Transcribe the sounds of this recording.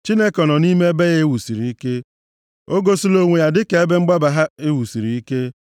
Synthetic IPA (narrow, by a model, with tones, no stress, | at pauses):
t͡ʃi˦ne˦kɔ˨nɔ˨ni˦me˦be˦ɣe˦wu˨si˨ɾi˨i˦ke˦ | o˦ɡo˦si˦lo˦ŋʷe˨ja˨dɪ˦ke˨˦e˦be˦ŋ͡m̩˦ɡ͡ba˦ba˨ɦa˦e˦wu˨si˨ɾi˨i˦ke˦